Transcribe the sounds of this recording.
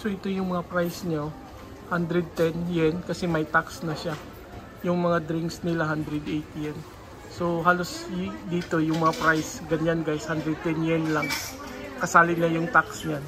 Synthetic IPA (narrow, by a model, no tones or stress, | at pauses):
soʔɪt̪o̞jʊŋmɐŋapɾajsɲo | hand̪ɾɛd̪̚t̪ɛnjɛnkɐsɛmɐjt̪aksnɐʃa | jʊŋmɐŋad̪ɾɪŋksnɪlaɦand̪ɾɛd̪ejt̪jɛn | sohaːlo̞sd̪iːt̪o̞jʊŋmɐŋapɾajsɡɐɲanɡajshand̪ɾɛd̪̚t̪ɛnjɛnlaŋkɐsaːlɪnːɐjʊŋt̪aksɲan